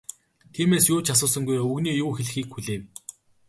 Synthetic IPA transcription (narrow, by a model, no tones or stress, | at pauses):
t̪ʰiːmeːsjʊːt͡ɕʰas̬ʊːsə̆ŋɡujoɵɣniːjuːxeɮ̆xiːkxuɮeːw